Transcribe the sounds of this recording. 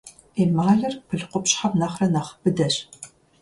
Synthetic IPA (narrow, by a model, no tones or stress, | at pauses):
eːmaːɮɐrpʰɨɮqʷʊpɕħamnɐχrɐnɐχbɨdɐɕ